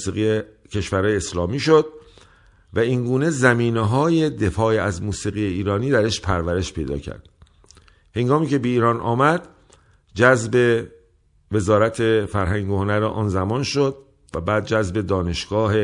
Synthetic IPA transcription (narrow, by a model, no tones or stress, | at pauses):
siːɣije | cʰe̞ʃvæɾhɒːjeːslɒːmiːʃod̪̥̚ | væiŋɡuːne̞zæmiːneɦɒːje̞d̪e̞fɒːiæzmuːsiːɣijeiːɾɒːniːd̪æɾe̞ʃpʰæɾvæɾe̞ʃpʰe̞jd̪ɒ̰ːcʰæ̰ɾd̪̥ | he̞ŋɡɒːmiːcʰe̞be̞iːɾɒːnʔɒ̰ːmæd̪̥ | d͡ʒæzbe̞ | ve̞zɒːɾæt̪ʰe̞fæɾɦæŋɟohonæɾeʔɒ̰ːnzæmɒːnʃod̪ | væbæːd̪̚d͡ʒæzbe̞d̪ɒːne̞ʃɡ̥ɒːɦe̞